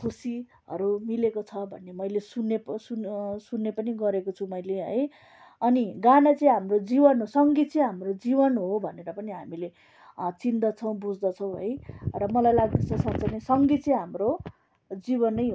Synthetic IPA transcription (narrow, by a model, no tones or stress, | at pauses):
kʰusi | ɦʌ̰ɾumilekot͡sʰʌbʱʌ̰nːemʌjlesunːesunsunːepʌniɡʌɾekot͡sʰumʌjleɦʌ̰j | ʌniɡanat͡sʌĩɦamrod͡zibʌnɦosʌŋɡit͡sʌ̃ɦamrod͡zibʌnɦobʱʌneɾʌpʌniɦamile | t͡sind̪ʌt͡sʰʌw̃bud͡zd̪ʌt͡sʰʌw̃ɦʌ̰jrʌmʌlajlaɡ̚d̪ʌt͡sʰʌsʌkt͡sʌnesʌŋɡit͡sʌ̃ɦamro | d͡zibʌnʌjɦo